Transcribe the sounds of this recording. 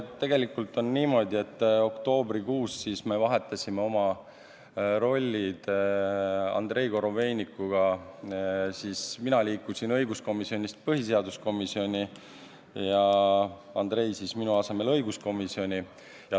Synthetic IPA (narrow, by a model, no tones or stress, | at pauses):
t̪e̞ɡ̥e̞likːˑult̪o̞nːiːmo̞d̪ʲie̞t̪ːo̞kt̪o̞ːbɾikuːsːisme̞vɑɦe̞t̪ːˑɑsʲime̞o̞mɑ | ɾo̞lʲːid̪̥ | ɑ̰nd̪̥ɾe̞jko̞ɾo̞ve̞ːnʲikːˑuɡ̥ɑ | sisminɑliːkusinɤjɡusko̞misio̞nʲist̪̚pɤɦise̞ɑd̪usko̞misio̞nʲi | jɑ | ɑnd̪̥ɾe̞jsisminuɑse̞me̞lɤ̞jɡusko̞misio̞nʲi | jɑ